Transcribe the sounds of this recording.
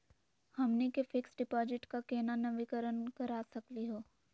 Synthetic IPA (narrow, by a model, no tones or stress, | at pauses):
hɐmnekefɪksɖɪpɔːd͡ʒɪʈkakeːnanɐʋɪkəɾənkɐɾaːsɐkliɦoː